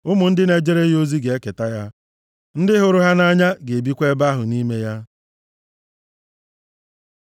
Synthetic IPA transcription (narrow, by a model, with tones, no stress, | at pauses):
ʊ˦mʊ˨n̩˦dɪ˦ne˨d͡ʒe˦ɾe˦ɦo˦zi˦ɡe˨e˦ke˨ta˦ja˦ | n̩˦dɪ˦ɦʊ˨ɾʊ˦ɦa˦na˦ɲa˦ɡe˨e˨bi˦kʷe˦ba˦ɦʊ˨ni˦me˦ja˦